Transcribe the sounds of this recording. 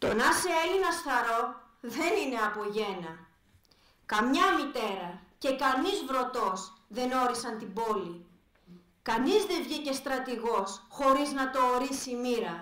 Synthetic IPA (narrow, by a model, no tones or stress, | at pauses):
t̪o̞nɐseelinɐsθɐɾo̞ | ðe̞nine̞ɐpo̞ʝe̞nɐ | kɐmɲɐmit̪e̞ɾɐce̞kɐnizvɾo̞t̪o̞sðe̞no̞ɾisɐnt̪ibo̞li | kɐnizðe̞vʝice̞st̪ɾɐt̪iɣo̞sxo̞ɾiznɐt̪o̞ːɾisiːmiɾɐ